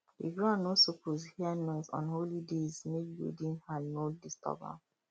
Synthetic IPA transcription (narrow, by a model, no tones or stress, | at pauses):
dḭɡɹãnːosopozhianɔɪzɔ̰̃nholidezmebo̰dĩnhanodistɔ̰ba̰